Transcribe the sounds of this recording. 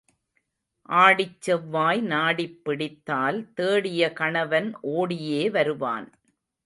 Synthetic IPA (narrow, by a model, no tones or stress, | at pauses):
ʔaːɽɪt͡ʃːɐʋːaːjnaːɽɪpːɪɽɪt̪ːaːlt̪eːɽɪjɐkɐɳɐʋɐnʔoːɽɪjeːʋɐɾɯʋa̰ːn